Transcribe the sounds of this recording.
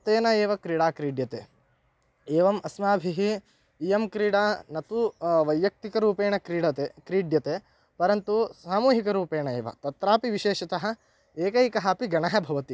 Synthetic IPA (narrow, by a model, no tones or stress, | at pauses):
ɐt̪eːnɐeːʋɐkɾiːɽaːkɾiːɖjɐt̪eː | eːʋɐmɐsmaːbʱiɦiː | jɐmkɾiːɽaːnɐt̪uʋɐjʋjɐk̚t̪ikɐɾuːpeːɳɐkɾiːɽɐt̪ekɾiːɖjɐt̪eː | pɐɾɐnt̪usaːmuːɦikɐɾuːpeːɳɐeːʋɐ̰t̪ɐt̪ɾaːpiʋiʃeːʃɐt̪ɐɦɐ̆ | eːkɐjkɐɦaːpiɡɐɳɐɦɐbʱɐʋɐt̪i